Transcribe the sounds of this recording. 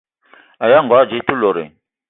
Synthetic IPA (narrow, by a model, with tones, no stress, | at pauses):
a˨ja˦˨ŋ˨ɡwa˨˦˨d͡ʒi˨˦tu˦lo˨ɾḛ˨